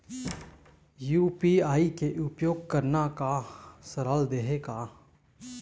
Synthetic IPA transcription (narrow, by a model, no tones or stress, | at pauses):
juːpiːaːikeʔʊpjoːɡ̚kəɾnakasəɾald̪eɦeka